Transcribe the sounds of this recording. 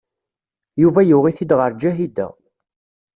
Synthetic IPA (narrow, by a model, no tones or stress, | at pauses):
juvæjʊʁiθid̪ʁəɾˤd͡ʒæɦid̪æ̰